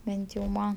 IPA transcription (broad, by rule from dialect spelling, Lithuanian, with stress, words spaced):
ˈbʲɛnt jɛʊ ˈmɐn